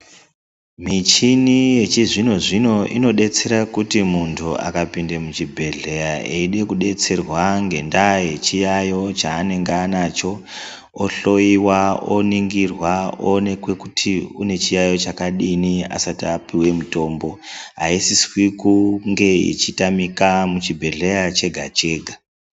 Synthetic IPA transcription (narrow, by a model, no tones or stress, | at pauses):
mit͡ʃinije̞t͡ʃiʐino̞ʐino̞ʔino̞ɗe̞t͡se̞ɾakutimuntʰuʔa̰kapindemut͡ʃibʱe̞ɮe̞jaeiɗe̞kuɗe̞t͡se̞rwaŋɡe̞ndaje̞t͡ʃijajo̞t͡ʃaːne̞ŋɡaːnaːt͡ʃo̞ː | ɬo̞jiwao̰niŋɡirwaone̞kwe̞kutʰiune̞t͡ʃijajo̞t͡ʃakaɗinia̰satapiwe̞muto̞ːmbo̞ɦaisiswikuŋɡe̞ḭt͡ʃitamikamut͡ʃibʱe̞ɮe̞jat͡ʃe̞ɡʱat͡ʃe̞ːɡʱa